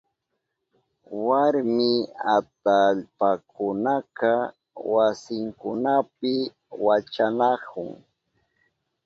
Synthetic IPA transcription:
waɾmɪat̪aʎpakʊnakaɑ | wasɪŋkʊnap̚ɪ | wat͡ʃanakʊŋ

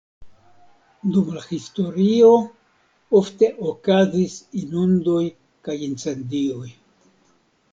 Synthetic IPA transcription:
dumlahisto̞ɾio̞ | ofte̞ʔokazisinundo̞j | kajint͡se̞ndio̞j

